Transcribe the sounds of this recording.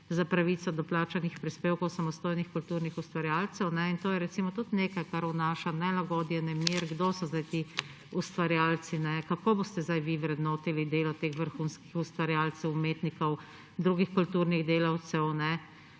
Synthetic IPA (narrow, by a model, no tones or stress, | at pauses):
zapɾaʋiːt̪sɔd̪ɔplaːt͡ʃanixpɾispeːwkɔwsamɔst̪oːjnixkult̪uːɾnixust̪ʋaɾjaːlt̪sɛwnɛint̪oːjɛɾɛt̪simɔt̪ut̪neːkajkaɾunaːʃanɛlaɡɔd̪jɛnɛmiɾɡd̪oːsɔzd̪ajt̪i | ust̪ʋaɾjaːlt̪sinɛkakoːbost̪ɛzd̪ajʋiʋɾɛd̪noːt̪ilid̪eːlɔt̪eːxʋəɾxunski̥xust̪ʋaɾjaːlsɛwumeːt̪nikɔw | d̪ɾuɡixkult̪uːɾniɣd̪eːlɐwt̪sɛwnɛ